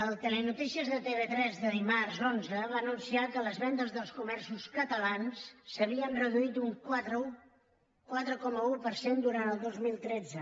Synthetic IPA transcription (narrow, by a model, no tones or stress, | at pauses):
əlˠt̪elenut̪isiəzðət̪eβet̪ɾɛzðəðimarzonzəβaːnunsiakələzβɛnd̪əzðəlˠskumɛrsuskət̪əlansːəβiənrəðuit̪uŋkat̪ɾəu | kwat̪ɾəkɔməupəɾsend̪uɾanəlˠd̪ozmilˠt̪ɾɛd͡zə